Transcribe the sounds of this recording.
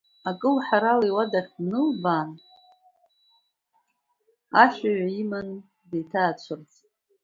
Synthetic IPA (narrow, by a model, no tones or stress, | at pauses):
akʼɨlħaɾaliwadaχʲnɨlbaːn | aʃʷᶣaɥaiman | dejtʰaːt͡ɕʷʰɨrt͡sʼ